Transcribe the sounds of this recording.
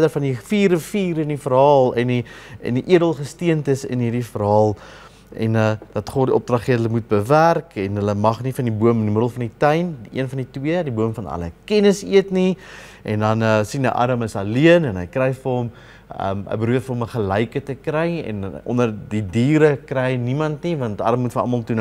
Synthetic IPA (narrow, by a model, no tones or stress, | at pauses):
dərfɐndifiːrəfiːɾənifəɾɦɑːlˠɛniə̰ndiʔiədəlˠχəstiəntəsə̰nɦiːrdifəɾɦɑːlˠ | ɛ̰nəd̥ɐtχodiʔɔp̚drɐχiədələmut̚bəværkɛnɦələmɐχnifɐndibuəməndiməɾəlˠfɐnditəjndiʔiənfɐnditwiədibuəmfɐnɐ̰lə̰kɛnəsḭətni | ʔɛndɐnəsinḭʔɑ̰ɾɐməsɐliənɛnɦəjkrɛjfərɦɔm | ə̰mə̰jbəɾuətfəɾɦɔoməχəlɛjkətəkrɛjɛ̰nʔɔ̰ndərdidiːɾəkrɛjnimɐntnivɐntʔɐ̰ɾɐmːutfəɑ̰mɐlˠtun